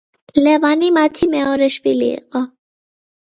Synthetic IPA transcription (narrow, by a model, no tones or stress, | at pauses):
lɛvanimat̪ʰimɛɔɾɛʃvilḭːqʼɔ